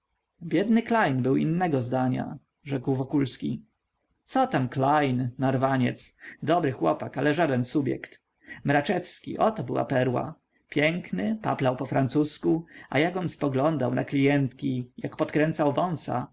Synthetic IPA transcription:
bʲjɛd̪nɘklajnbɘwḭnːɛɡɔzd̪aɲa̰ | ʐɛkwvɔkulskʲi | t̪sɔt̪amklajnːaɾvaɲɛ̰t̪sd̪ɔbɾɘxwɔpakalɛʐad̪ɛnsubjɛ̰kt̪ | mɾat͡ʂɛfskʲḭʔɔt̪ɔbɘwa̰pɛɾwa̰ | pʲjɛŋknɘpa̰plawpɔfɾant̪suskua̰jakɔnspɔɡlɔnd̪awna̰klʲijɛnt̪kʲijakpɔt̪kɾɛnt̪sawvɔ̃ñsa̰

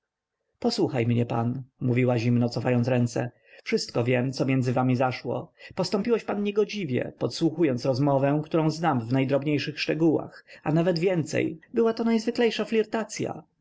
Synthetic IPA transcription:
pɔswuxajmɲɛpa̰nmuvʲiwaʑimnɔt̪sɔfajɔntsɾɛnt̪sɛ̰ | fʂɘst̪̚kɔvʲjɛmt̪sɔmʲjɛnd̪zɘvamʲizaʂwɔ̰pɔst̪ɔmpʲiwɛɕpanːɲɛɡɔd͡ʑivʲjɛ̰pɔt̪swuxujɔnt̪sɾɔzmɔvɛ̃kt̪uɾɔ̃w̃znamvnajd̪ɾɔbɲejʂɘxʂtɛɡuwa̰xanavɛd̪vʲjɛnt̪sɛ̰jbɘwat̪ɔnajzvɘklɛjʂaflʲiɾt̪at̪sʲja̰

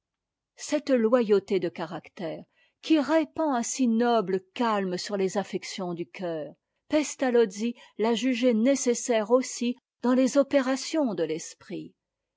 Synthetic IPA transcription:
sɛt̪lwajot̪ed̪əkaʁakt̪ɛːʁ | kʲʰiʁepɑ̃ɛ̃sinɔbləkalmsyʁlezafɛksjɔ̃d̪ykʰʲœːʁ | pɛst̪alɔzilaʒyʒenesesɛʁosi | d̪̥ɑ̃lezɔpeʁasjɔ̃d̪əlɛspχi

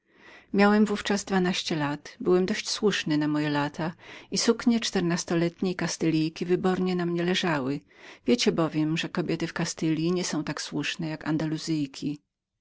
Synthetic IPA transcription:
mʲjawɛmvuft͡ʂazd̪vanaɕt͡ɕɛlat̪bɘwɛmd̪ɔɕt͡ɕswuʂnɘnamɔjɛlat̪ʰaisukɲɛt͡ʂt̪ɛɾnast̪ɔlɛt̪ɲejkast̪ɛlʲijkʲivɘbɔɾɲɛnamɲɛlɛʐawɘvʲjet͡ɕɛbɔvʲjɛmʐɛkɔbʲjɛt̪ɘfkast̪ɘlʲjiɲɛsɔ̃w̃t̪akswuʂnɛjaka̰nd̪aluzɘjkʲʰi

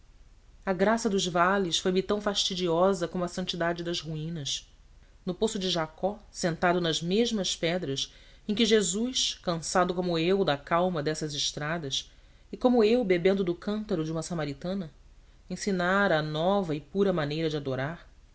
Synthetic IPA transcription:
ɐɡɾasɐd̪ʊzvalɪsfojmɪt̪ɐ̃w̃faʃt͡ʃid͡ʒiɔzɐkõmʊɐsɐ̃nt͡ʃid̪ad͡ʒɪd̪ɐzhuĩnɐs | nʊposʊd͡ʒɪʒakɔsẽnt̪ad̪ʊnɐzmeʒmɐspɛd̪ɾɐs | ẽkɪʒezujʃkɐ̃sad̪ʊkõmʊewd̪ɐkawmɐd̪ɛsɐzɪʃt̪ɾad̪ɐs | ɪkõmʊewbebẽnd̪ʊd̪ʊkɐ̃nt̪ɐɾʊd͡ʒɪumɐsamaɾit̪ɐ̃nɐ | ẽsinaɾɐːnɔvɐɪpuɾɐmanejɾɐd͡ʒɪad̪oɾaɾ

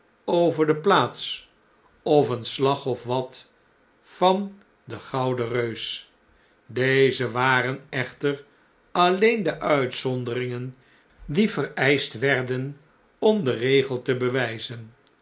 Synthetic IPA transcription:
owvəɹdəplaːts | ɔfənslɑχɔfʋɑt | fɑn | dəχɑwdərøɥs | dejzəʋaːrənɛχtər | ɑlejndəʔœɥtsɔndəɾɪŋən | divərɛjstʋɛɹdən | ɔmdərejχəlˠtəbəʋɛjzən

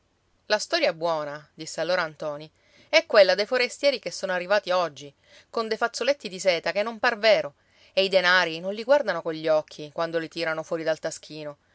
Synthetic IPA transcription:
last̪ɔɾjabwɔːnad̪isːealːoːɾaːnt̪ɔːni | ɛkːwelːad̪ejfoɾest̪jɛːɾikesːoːnoarːivaːt̪iɔd͡ʒːi | kond̪ejfat̪sːolet̪ːid̪isɛːt̪akenːomparveːɾo | eid̪enaːɾinonliɡward̪anokoʎʎːɔkʰːikwand̪olit̪iːɾanofwɔːɾid̪alt̪ask̟iːno

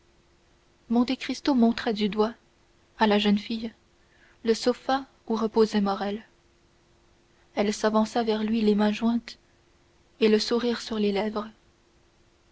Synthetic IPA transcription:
mɔ̃t̪ekχist̪omɔ̃t̪χɛd̪yd̪wa | alaʒənfij | ləsofa | uʁəpozɛmɔʁɛl | ɛlsavɑ̃savɛʁlɥilemɛ̃ʒwɛ̃t̪ | eləsuʁiːʁsyʁlelɛvʁə

